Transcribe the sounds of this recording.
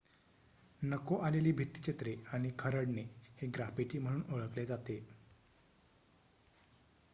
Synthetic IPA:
nəkoʔaleliːbʱit̪ːi̥t͡ɕet̪ɾeaɽ̃ikʰəɾəɽneheɡɾafet͡ɕiːm̤əɽ̃uːnoɭəkled͡zat̪e

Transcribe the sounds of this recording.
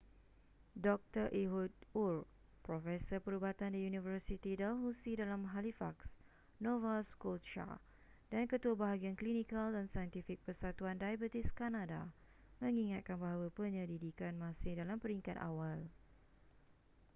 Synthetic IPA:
dɔk̚t̪ərʔiɦut̪̚ur | pɾɔfɛsərpəɾubat̪andiunĩvərsit̪idalɦusidalamɦalifaks | nɔvaskɔlt͡ʃa̰ | dankət̪uabaɦaɡianklinikaldansajənt̪ifik̚pərsat̪uandajabət̪iskanada | mə̃ŋiŋat̪̚kanbaɦawapəɲəɾidikanmãsɪhdalampəɾiŋkat̪a̰wal

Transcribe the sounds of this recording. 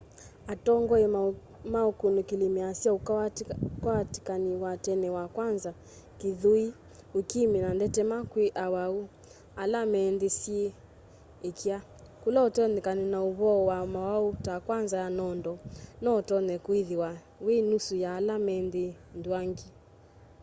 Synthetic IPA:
atɔŋɡɔe | maukunukilimɛasiau | kawati̥kaniwatɛnɛwakwanza | kiðui | ukiminandɛtɛmakwiʔawau | alamɛndisie | ekʰia | kulɔɔtɔnɛkaninauβɔwamawautakwanzajanɔndɔnɔtɔnɛkwiðiwa | wenusujaːlamɛndindwaŋɡi

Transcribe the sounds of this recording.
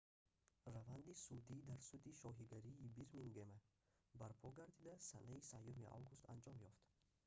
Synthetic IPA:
ravand̪isud̪id̪aɾsud̪iʃɔɦiɡaɾiːbiɾmiŋɡema | baɾpʰɔɡaɾd̪id̪asanaisajumiʔa̰wɡust̪a̰nd͡ʒɔmjɔft̪

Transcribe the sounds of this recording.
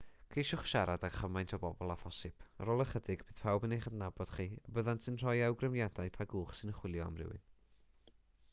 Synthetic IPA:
kʰejʃʊχʃaɾadaɡχəmajntʰɔbɔbɔlˠaθɔsɪb̥ɾoːlˠəχədɪɡb̥ɨːð̥pʰawbənejχədnabɔd̥χiabəðantsɨnr̥ɔjɛwɡrəmjadaɨpʰaɡuːχsɨnəχwɪlˠjɔamrɪ̰wɨ̰n

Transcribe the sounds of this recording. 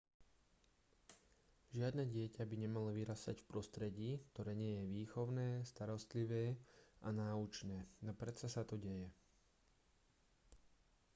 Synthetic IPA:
ʒɪad̪nɛːɟɪɛcabiɲɛmalɔʋiɾast̪a̰cfpɾɔst̪ɾɛɟiːkt̪ɔɾɛːɲɪɛjɛʋiːxɔʊnɛːst̪aɾɔst̪liʋɛːanaːut͡ʃnɛːnapɾɛt̪sasat̪ɔɟɛjɛ

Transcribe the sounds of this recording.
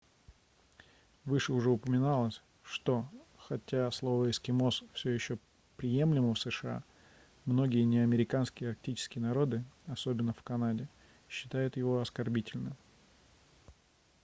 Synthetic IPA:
vɨʂɨʊʐɛʊpəmʲɪnalˠəsʲ | ʂt̪o̞xɐtʲaslˠo̞vəɪskʲɪmo̞sfsʲojɪɕːo | pɾʲɪje̞mlʲɪməfsɨʂɨa̰ | mno̞ɡʲɪjənʲɪɐmʲɪɾʲɪkanskʲɪjəɐrk̚tʲit͡ɕɪ̥skʲɪjənɐɾo̞d̪ɨɐso̞bʲɪnːəfkɐnadʲɪ | ɕːɪ̥t̪ajʊt̪jɪvo̞ɐskɐrbʲitʲɪlʲnɨm

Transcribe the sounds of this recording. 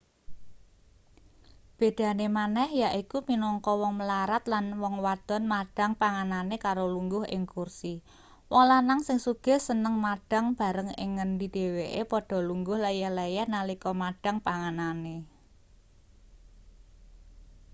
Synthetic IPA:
b̥e̤d̪̥ä̤nemanɛhjaʔikuminɔŋkɔwɔŋməlaɾat̪lanwɔŋwad̪̥ɔ̤nmaɖ̥a̤ŋpaŋananekaɾoluŋɡʊɦɪ̰ŋkursi | wɔŋlanaŋsɪŋsuɡ̥ɛ̤sənəŋmaɖ̥a̤ŋb̥ä̤ɾəŋɪ̰ŋːənd̪id̪̥e̤weʔepɔɖ̥ɔ̤luŋɡʊhlɛjɛhlɛjɛhnalikɔmaɖ̥a̤ŋpaŋanane

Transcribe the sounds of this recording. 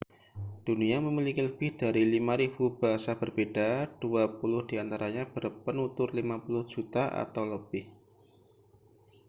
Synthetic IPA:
d̥uniaməmilikiləb̥ɪhd̥aɾilimaɾib̥ub̥aɦasab̥ərbedad̥uapulʊhd̥iant̪aɾaɲab̥ərpənut̪ʊrlimapulʊhd͡ʒ̥ut̪aʔa̰t̪awləb̥ɪh

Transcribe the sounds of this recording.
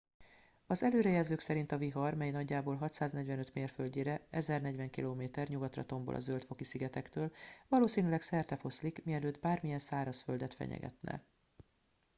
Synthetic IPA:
ɒzɛløːɾɛjɛlzøːksɛɾin̪t̪ɒviɦɒrmɛjnɒɟːaːboːlɦɒt̪saːznɛɟvɛnø̞t̪meːrfølɟeːɾɛɛzɛrnɛɟvɛŋkiloːmeːt̪ɛrɲuɡɒt̪rɒ̰t̪o̞mbo̰lɒ̰zølt̪fo̞kisiɡɛt̪ɛkt̪øːlvɒloːsiːnylɛksɛrt̪ɛfo̞slikmiɛløːd̪baːrmijɛnsaːɾɒsfø̞ld̪ɛt̪fɛ̰ɲɛ̰ɡɛ̰t̪nɛ̰

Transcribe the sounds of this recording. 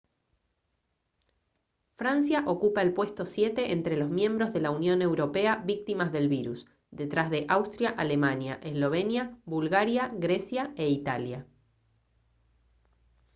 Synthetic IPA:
fɾansjaʔo̞kupae̞lpwe̞st̪o̞sje̞t̪e̞ʔent̪ɾelo̞zmjẽ̞mbɾo̞zðe̞launjo̞ne̞wɾo̞pe̞aβik̚t̪imazðe̞lβiɾus | d̪e̞t̪ɾazðe̞ʔawst̪ɾjaʔale̞manja̰ʔeslo̞β̞e̞njabulɣaɾjaɣɾe̞sjae̞it̪alja

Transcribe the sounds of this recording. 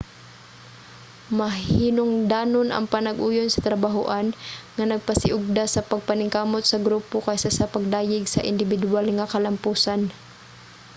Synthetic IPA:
mɐɦinʊŋd̪aːnonʔɐ̰ŋpanɐɡʔuːjonsɐ̥t̪ɾɐbaɦʊʔanŋanɐɡ̚pɐsɪʔʊɡ̚d̪asɐpɐɡ̚panɪŋkaːmot̪sɐɡɾuːpokajsasɐpɐɡ̚d̪aːjɪɡsɐ̰ʔɪ̰nd̪ɪbɪd̪ʊalŋakɐlɐmpuːsan

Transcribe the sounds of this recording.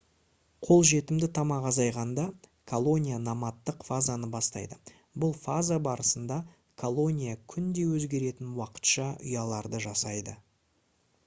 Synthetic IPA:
qʰo̞lˠʒe̞t̪ɪmd̪ɪt̪ʰɑmɑqɑzɑjʁɑnd̪ɑkʰolˠo̞nʲijanɑmɑt̪ːəqfazanəbɑst̪ɑ̰jd̪ə | bʊlˠfazabɑɾəsənd̪ɑ | kʰo̞lˠo̞nʲijakʲʰʏnd̪e̞wɵzɡʲe̞ɾe̞t̪ɪnwɑqə̥t̪ʃɑʏ̰jɑlˠɑɾd̪əʒɑsɑjd̪ə

